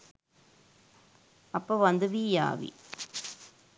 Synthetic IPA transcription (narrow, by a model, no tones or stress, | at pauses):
ɐpːoʋɐnd̪ɯʋiːja̰ːʋḭ